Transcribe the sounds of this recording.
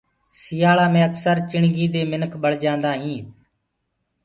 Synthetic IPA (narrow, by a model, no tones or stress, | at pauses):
sɪjaːɭaːmẽːəksəɾt͡ʃɪɳɡiːd̪eːmɪnəkʰɓəɽ̤d͡ʒãːnd̪aːɦĩː